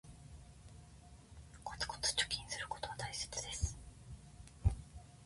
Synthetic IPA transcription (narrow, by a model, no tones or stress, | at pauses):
kʰot͡sɨ̥ko̥t͡sɨ̥t͡ɕo̥kʲĩɰ̃sɨɾɯ̟kot̪o̞βat̪aise̥t͡sɨd̪esɨ̥